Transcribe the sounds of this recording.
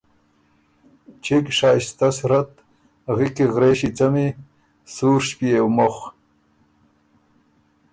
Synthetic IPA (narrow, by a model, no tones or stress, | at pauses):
t͡ɕekʂaːɕt̪asɾɐt̪ | ɣikiɣɾeːɕit͡sɐmi | suːɾʂpiewmoχ